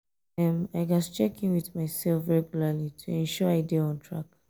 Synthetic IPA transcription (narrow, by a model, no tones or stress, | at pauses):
ɛ̃maɪɡɔst͡ʃɛkĩnwiθmaɪsɛlfɹɛɡjulalitʰuɛ̃nʃɔaɪdeɔ̃ntʰɹa̰k